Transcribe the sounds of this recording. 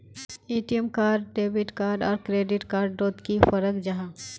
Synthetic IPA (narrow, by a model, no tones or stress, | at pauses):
eːʈijəmkaːɾɖɖeːbɪʈkaːɾɖɔːɾkɾeːɖɪʈkaːɾɖːoːt̪kifəɾəkd͡ʒaɦãː